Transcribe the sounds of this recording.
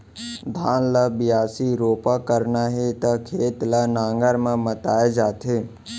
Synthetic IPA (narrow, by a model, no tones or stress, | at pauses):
d̪ʱaːnlabɪjaːsiɾoːpakəɾnaɦet̪ɐkʰeːt̪lanãːŋɡəɾmẽmət̪aːed͡ʒaːt̪ʰeː